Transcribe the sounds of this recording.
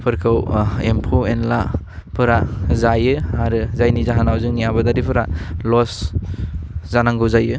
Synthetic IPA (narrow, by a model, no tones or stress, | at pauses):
pʰɯɾkʰɯwempʰoenla | pʰɯɾazajɯaɾɯzajnizaɦanawzɯŋjabadaɾipʰɯɾalɔs | zanaŋɡɯwzajɯ